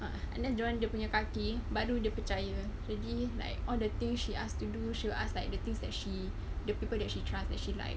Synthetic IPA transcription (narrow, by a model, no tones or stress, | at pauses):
ʔa | ã̰nɛsd͡ʒãndiəpuɲakakibaɾudiəpət͡ʃaja | d͡ʒadila̰ɪk̚ʔɔldət̪ɪ̃ŋsʃiʔastuduʃoʔa̰slajk̚dət̪ɪ̃ŋsdɛt̚ʃi | dəpipəldɛt̚ʃitɹasdɛt̚ʃila̰ɪk